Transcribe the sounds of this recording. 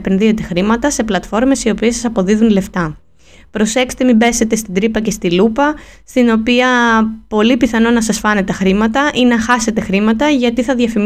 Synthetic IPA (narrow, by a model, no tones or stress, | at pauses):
pe̞nðie̞t̪exɾimɐt̪ɐse̞plɐt̪fo̞ɾme̞sio̞piesːɐsɐpo̞ðiðunle̞ft̪ɐ | pɾo̞se̞kse̥t̪e̞mibe̞se̞t̪e̞st̪id̪ɾipɐce̞st̪ilupɐst̪ino̞piɐpo̞lipiθɐno̞nɐsɐsfɐne̞t̪ːɐxɾimɐt̪ɐʔinɐxɐse̞t̪e̞xɾimɐt̪ɐʝɐt̪iθɐðʝɐfim